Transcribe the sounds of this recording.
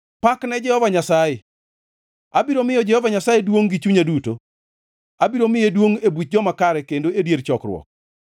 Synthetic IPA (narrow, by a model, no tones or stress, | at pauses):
paknɛd͡ʒɛhɔvaɲasaje | abiɾomɪjɔd͡ʒɛhɔvaɲasajedwoŋɡit͡ʃuɲaduto | abiɾomɪjedwoŋebut̪̚d͡ʒɔmakaɾɛkendoedjeɾt͡ʃɔkɾwɔ̰k̚